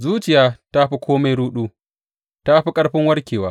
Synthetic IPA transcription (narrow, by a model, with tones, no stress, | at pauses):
zuː˦t͡ʃɪ˨jaː˦ta˦ɸi˦kʷoː˦ma˦jɽuː˦ɗuː˦ | ta˦ɸi˦kʼɐ˦ɽɸɪ˦ŋwɐ˦ɽkʲeː˨waː˦